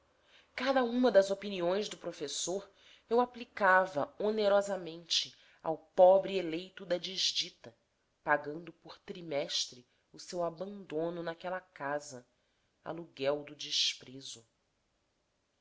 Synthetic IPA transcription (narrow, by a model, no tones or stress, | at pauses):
kad̪ɐũmɐd̪ɐzopiniõj̃zd̪ʊpɾofesoɾ | ewaplikavɐoneɾɔzɐmẽnt͡ʃɪ | a̰wpɔbɾielejt̪ʊd̪ɐd͡ʒiʒd͡ʒit̪ɐ | paɡɐ̃nd̪ʊpʊɾt̪ɾimɛʃt̪ɾɪ | usewabɐ̃nd̪õnʊnakɛlɐkazɐ | a̰luɡɛwd̪ʊd͡ʒiʃpɾezʊ